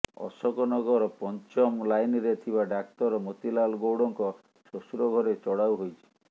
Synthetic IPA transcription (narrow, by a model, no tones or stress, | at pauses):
ɔ̰sɔkɔnɔɡɔɾɔpɔnt͡ʃɔmlajniɾet̪ʰiβaɖakt̪ɔɾɔmot̪ilalɡowɽɔŋkɔ | sosuɾɔɡʱɔɾet͡ʃɔɽawɦojt͡ʃʰi̥